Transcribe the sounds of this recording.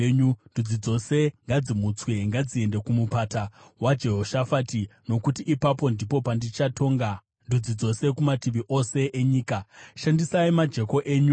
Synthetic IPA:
ɲundud͡zid͡zo̞se̞ŋɡad͡zimut͡sweŋɡad͡zie̞nde̞kumupatawad͡ʒe̞ɦo̞ʃafaːtino̞kutiʔːpapo̞ndipo̞pandit͡ʃatʰo̞ːŋɡa | ndud͡zid͡zo̞se̞kumatiʋiʔo̞se̞ʔeɲiːkaʃandisaimad͡ʒe̞ko̞ʔeːɲu

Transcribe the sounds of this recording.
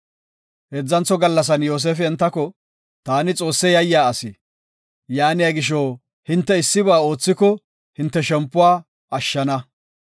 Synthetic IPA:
hɛd͡zːɐnt͡sɔɡɐlːɐs̬ɐnjo̞ːs̬eːfɛɛnt̪ːɐkɔ | t̪aːnɪt͡sʼo̞ːsːɛjɐjːaːɐsɪ | jaːnɪjaɡɪʃ̬oː | hɪnt̪ːɛɪsːɪβaːo̞ːt͡sːɪkɔ | hɪnt̪ːɛʃɛmpːʊwaː | ɐʃːɐnɐ

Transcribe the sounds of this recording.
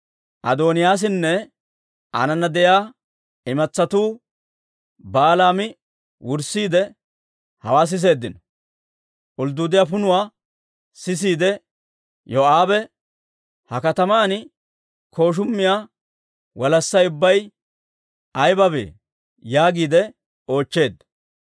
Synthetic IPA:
ʔɐ̰d̪oːnɪjaːs̬ɪnːɛ | ʔɐ̰nɐnːɐd̪ɛjaː | ɪmɐt͡sːɐt̪uː | baːlaːmɪ | wʊɾsːiːd̪ɛ | hɐwaːs̬ɪs̬e̞ːd̪ːɪnɔ | ʔʊld̪ʊːd̪ɪjafʊnʊwaː | sɪs̬iːd̪ɛ | joʔaːbɛ | hɐkɐt̪ɐmaːnɪ | kʰo̞ːʃ̬ʊmːɪjaː | wɐlɐsːɐjʊbːɐj | ɐjbɐbḛː | jaːɡiːd̪ɛ | o̞ːt͡ʃːe̞ːd̪ɐ

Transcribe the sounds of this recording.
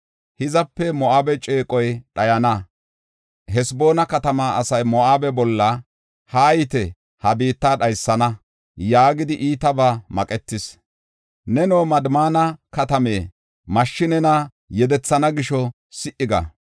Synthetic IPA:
hɪzɐpːɛmɔaːbɛt͡ʃʼe̞ːkʼɔjɗɐjɐnɐ | ɦɛsbo̞ːnɐkɐt̪ɐmaːɐsɐjmɔʔaːbɛbɔlːɐ | haːjɪt̪ɛ | hɐbiːt̪ːaːɗɐjsːɐnɐ | jaːɡɪd̪ɪʔiːt̪ɐbɐmɐkʼɛt̪ːɪs | nɛnoːmɐd̪maːnɐkɐt̪ɐme̞ː | mɐʃːɪnɛnɐ | jɛd̪ɛt͡sːɐnɐɡɪʃɔ | sɪʔɪɡɐ̰

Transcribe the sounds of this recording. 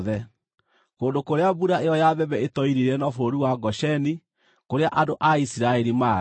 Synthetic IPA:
ðɛ | koːndokoɾeabuɾaeɔjaðɛβɛetɔiɾiɾɛnɔfoɾiwaɡɔɕɛni | koɾeaʔadoʔaisiɾaɛɾima

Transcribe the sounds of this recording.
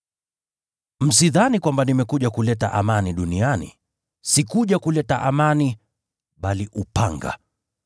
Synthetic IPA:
m̩siðanikwambanimɛkuʄakulɛtaʔamaniɗunianḭ | sikuʄakulɛtaʔamani | ɓaliʔupa̰ŋɡa̰

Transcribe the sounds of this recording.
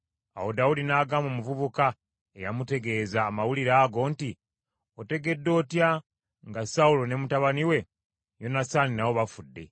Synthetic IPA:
a̰wo̞daudinaːɡamomuvuβuka | ejamute̞ɡe̞ːzaːmawuliɾaːɡo̞ːnti | ote̞ɡe̞dːo̞ːtja | ŋɡasaulo̞ne̞mutaβaniwe̞ | jo̞nasaːninawo̞βafudːe̞̰

